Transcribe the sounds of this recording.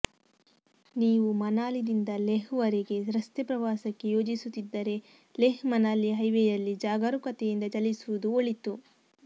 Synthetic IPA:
niːʋumɐnaːlid̪ind̪ɐleɦʋɐɾiɡe̞sɾɐst̪ɛpɾɐʋaːsɐkːe̞jo̞ːd͡ʒisut̪ːid̪ːɐɾe̞ | leɦmɐnaːliɦɐjʋejɐlːid͡ʒaːɡɐɾukɐt̪ejind̪ɐt͡ʃɐlisuʋud̪uoɭit̪u

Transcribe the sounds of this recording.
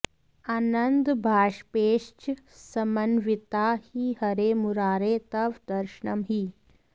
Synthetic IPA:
aːnənd̪bʱaːʂpeːʂt͡ʃ | səmənʋit̪aːhiːhɐɾemuɾaːɾet̪ɐʋd̪ɐɾʃɳɐmɦiː

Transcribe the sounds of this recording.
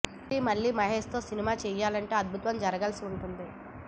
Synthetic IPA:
imɐɭːiːmɐɦeːʂt̪o̞ːsinimaːt͡ʃɛːjaːlɐɳʈe̞ːɐd̪̚bʱut̪ʋɐmd͡ʒɐɾɐɡɐlsiuɳʈund̪i

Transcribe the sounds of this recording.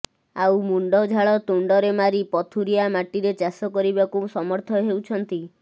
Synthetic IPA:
awmuɳɖɔd͡ʒʱaɭɔt̪uɳɖɔɾemaɾipɔt̪ʰuɾiamaʈiɾet͡ʃasɔkɔɾibakusɔmɔɾt̪ʰɔɦewt͡ʃʰɔnt̪i

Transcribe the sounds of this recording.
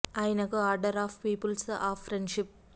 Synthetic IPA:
ɐjnɐkɐaːɾɖɐɾaːfpiːpəlsaːffɾẽɳɖʃɪp̚

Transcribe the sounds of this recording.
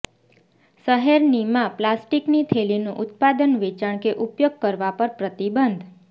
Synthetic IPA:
səɦeɾnimãplasʈiknit̪ʰelinũʔʊt̪̚pad̪ənʋet͡ʃaɳ̃keʔupjoɡ̚kəɾʋapəɾpɾət̪ibənd̪ʱ

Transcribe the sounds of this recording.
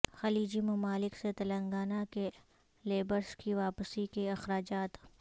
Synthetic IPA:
xɐliːd͡ʒimɐmaːlɪkset̪ɐlə̃ŋɡaːnake | leːbəɾskiʋaːpsikeɐxɾaːd͡ʒaːt̪

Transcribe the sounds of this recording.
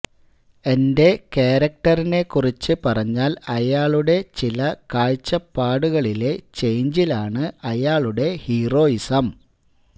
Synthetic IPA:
e̞nde̞keːɾɐk̚ʈɐrine̞kːurit͡ɕːɨpɐrɐɲːaːlɐjaːɭuɽe̞t͡ɕilɐkaːɻt͡ɕːɐpːaːɽuɣɐɭile̞t͡ɕe̞jɲd͡ʑilaːɳɨɐjaːɭuɽe̞hiːro̞ːisɐm

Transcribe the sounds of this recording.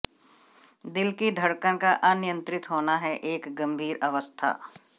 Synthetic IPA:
d̪ɪlkid̪ʱɐɽkəãkaʔɐnɪjə̃nt̪ɾɪt̪ɦoːnaɦɛʔeːkɡɐ̃mbʱiːɾɐʋəst̪ʰa̰ː

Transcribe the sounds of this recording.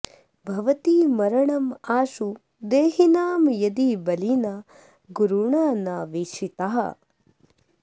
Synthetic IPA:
bʱɐʋɐt̪iːmɐɾɐɳɐmaːʃu | d̪eːɦinaːmjɐd̪ibɐlinaː | ɡuɾuɳaːnaːʋiʂit̪aɦɐ̰

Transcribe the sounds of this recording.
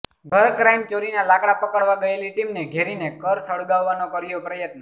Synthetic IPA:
ɡʱəɾkɾajmt͡ʃoɾinalakɽapəkəɽʋaɡəeliʈimneɡʱeɾinekəɾsəɽɡaʋːanokəɾjopɾəjət̪nə

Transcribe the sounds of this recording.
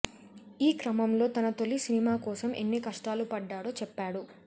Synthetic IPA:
iːkɾɐmɐmlo̞ːt̪ɐnɐt̪o̞lisinimaːkɔːsɐmʔe̞̰nːikɐʂʈaːlupɐɖːaːɽo̞ːt͡ʃɛpːaːɽu

